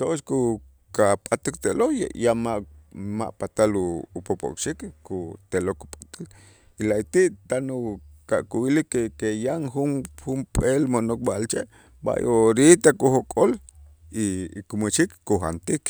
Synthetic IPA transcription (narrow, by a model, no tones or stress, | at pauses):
t̪oʔʃku | kapʼat̪ikt̪eloja̰jamaʔma̰ʔpat̪aluːpopʼo̰kʼʃikkut̪eloku̥pʼḁt̪al | ilait̪iʔt̪anukaʔkuwilikːekejaŋxunxumpʼelmonok̚ɓaʔlt͡ʃeʔ | ɓa̰joɾit̪akuxokʼol | ikumuʃikːuxa̰nt̪ik